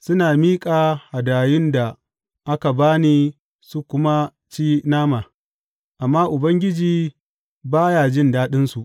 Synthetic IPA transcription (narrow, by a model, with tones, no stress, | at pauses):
sʊ˦naː˨miː˦kʼaː˨ha˨daː˨jɪ˦nda˨ | ʔa˦ka˨baː˦niː˦ | su˦kʷʊ˦ma˦ | t͡ʃiː˦naː˦maː˨ | ʔa˨mːaː˦ʔʊ˨bɐ˦ŋɡʲɪ˦d͡ʒiː˦ | baː˦jaː˨d͡ʒɪ˦˨ndaː˦ɗɪ˦nsu˨ʔ